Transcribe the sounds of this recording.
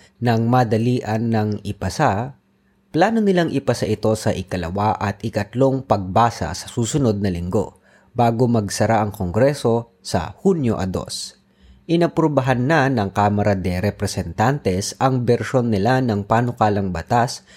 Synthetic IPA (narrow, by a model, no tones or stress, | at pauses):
nɐŋmaːd̪ɐliːʔɐnːɐŋɪpɐsa | plaːno̞nɪlaŋʔɪpɐsaʔɪt̪o̞sɐʔɪkɐlɐ̰waʔɐt̪ɪkɐt̪lo̞ŋpɐɡ̚baːsɐ̰sɐ̥suːsʊno̞d̪̚nɐlɪŋɡo̞̰ | baːɡomɐɡsɐɾaʔɐŋkoŋɡɾɛso̞ | sɐ̰hunjoʔɐ̰d̪o̞̰s | ʔɪnɐpɾobɐɦanːanɐŋkaːmɐɾɐd̪ɛɾɛpɾɛsɛnt̪ant̪ɛsʔɐŋbɛɾʃo̞nːɪlanɐŋpaːnokaːlɐŋbɐt̪as